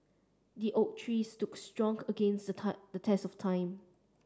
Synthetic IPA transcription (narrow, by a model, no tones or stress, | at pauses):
diʔot̚tʰɹistukstɹɔ̃ŋəɡẽnsdədətʰɛsɔftʰãɪ̃m